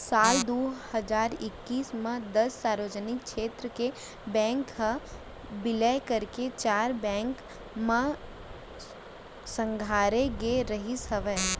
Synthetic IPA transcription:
saːld̪oːhəd͡ʒaːɾɪkːiːsmẽd̪ɐsːaːɾʋəd͡ʒənɪkʃeːt̪ɾəke | bɛ̃ːŋkːə | bɪlɛkəɾket͡ʃaːɾbɛ̃ːŋk | mẽ | sə̃ŋɡʱaːɾeɡeɾəɦisəʋɛː

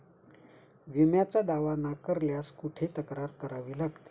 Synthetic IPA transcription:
ʋimjat͡sad̪aʋanakəɾljaskuʈʰet̪əkɾaɾkəɾaʋiːlaɡt̪e̥

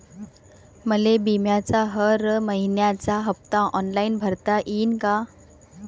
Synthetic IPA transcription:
məlebimjat͡saɦəɾməɦinjat͡saɦəp̚t̪ãʔɔnlainbʱəɾt̪aʔiːnka

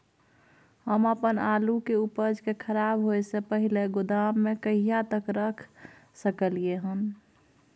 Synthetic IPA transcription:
ɦəməpənaːlukeupəɾd͡ʒkekʰəɾaːbɦoesepəɦileɡʊd̪amːekəijat̪əkɾəkʰ | səkəlieɦən

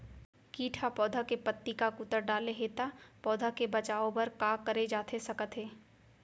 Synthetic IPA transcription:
kiːʈʰapɔːd̪ʱakepət̪ːikakʊt̪əɾɖaːleɦeːt̪apɔːd̪ʱakebɐt͡ʃaːõpɐɾkaːkɐɾed͡ʒaːt̪ʰesɐkət̪ɦeː

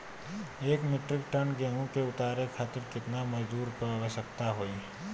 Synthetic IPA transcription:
eːkmɪʈɾɪk̚ʈənɡɛ̃ːõkeʊt̪aːɾekʰaːt̪ɪɾkɪt̪namɐd͡ʒd̪uːɾpəaːʋəʃək̚t̪aɦoːi

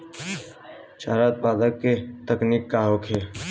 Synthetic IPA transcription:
t͡ʃaːɾaːt̪̚paːd̪əkːet̪əkniːkːaːɦoːkʰeː

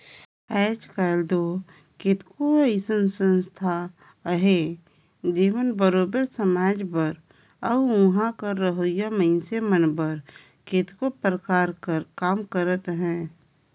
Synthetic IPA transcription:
ɛːt͡ʃkald̪o | kɪt̪koiɪsə̃nsə̃nst̪ʰa | ɦe | d͡ʒeːʋənbəɾoːbəɾsəmaːd͡ʒbəɾ | əʊ̃ɦãkəɾːəɦojaməɪnsemənbəɾ | ket̪kopɾəkaːɾkəɾkaːmkəɾət̪ɦɛ̃ː

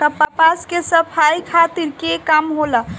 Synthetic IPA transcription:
kəpapaskesəpʰajikʰat̪iɾkekamɦolə

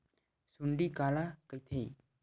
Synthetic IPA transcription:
sunɖikalakajt̪ʰej

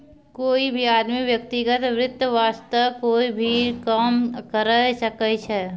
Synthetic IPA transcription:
koːibʱiaːd̪miʋjɐk̚t̪iɡət̪ʋɾɪt̪ːəʋaːst̪əkoːibʱikaːmkəɾəʃəkəʃɛː

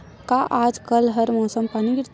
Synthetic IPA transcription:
kaʔaːd͡ʒkɐlɦɐɾmɔːsəmpaniɡɪɾt̪

